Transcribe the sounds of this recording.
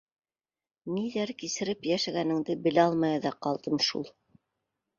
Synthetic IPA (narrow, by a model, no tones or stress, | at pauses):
niðæɾkisɘ̆ɾɘpjæʃæɡænɘ̆ŋd̪ɘbɘ̆læɑlˠmɑjɑðɑqɑlˠd̪ɤmʃṵlˠ